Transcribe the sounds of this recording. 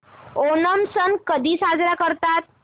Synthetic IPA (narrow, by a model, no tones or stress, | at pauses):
onəmsənkəd̪ʱiːsad͡zɾakəɾt̪at̪̚